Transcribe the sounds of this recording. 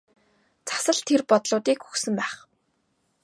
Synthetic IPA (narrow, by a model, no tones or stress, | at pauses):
t͡sʰḁsə̆ɮt̪ʰerpɔt̪ɮʊːt̪iːkxu̥xsɵ̆mpæːχ